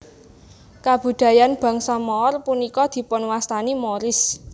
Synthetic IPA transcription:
kab̥ṳd̪̥a̤janb̥ä̤ŋsɔmɔːrpunikɔd̪̥i̤pʊnwast̪animɔɾɪs

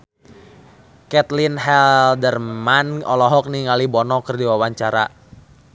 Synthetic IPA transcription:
kɛt̪linɦɛldərmanɔlɔɦɔk̚niŋalibɔnɔkərdiwawaɲt͡ʃaɾa

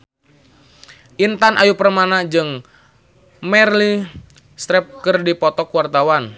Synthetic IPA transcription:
ʔint̪anʔajupərmanad͡ʒɨŋ | mɛrli | st̪ɾɛp̚kɨrdipɔt̪ɔkwart̪awan

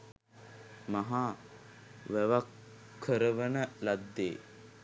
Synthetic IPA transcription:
maɦa | ʋæʋakʰː | əɾəʋənəlad̪ːḛː

